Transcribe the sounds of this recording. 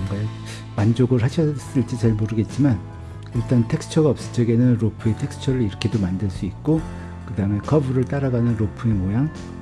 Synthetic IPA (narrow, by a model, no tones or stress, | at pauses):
ʌŋɡa | mand͡ʑoɡɯɾɦaɕʰʌs͈ɯɭt͡ɕ͈it͡ɕaɭmoɾɯɡe̞t̚t͡ɕ͈iman | iɭt͈antʰe̞k̚s͈ʰɯ̥t͡ɕʰʌɡaʌp̚s͈ɯt͡ɕ͈ʰʌɡe̞nɯnɾopʰue̞tʰe̞k̚s͈ʰɯ̥t͡ɕʰʌɾɯɾiɾʌkʰe̞domandɯɭs͈uit̚k͈o | kɯdaɯme̞kʰʌbuɾɯɭt͈aɾaɡanɯnɾopʰue̞mojaŋ